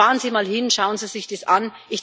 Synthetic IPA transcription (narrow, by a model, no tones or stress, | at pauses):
aːʁənziːmaːlhɪnʃaʊənziːzɪçd̥esʔanʔɪçd̥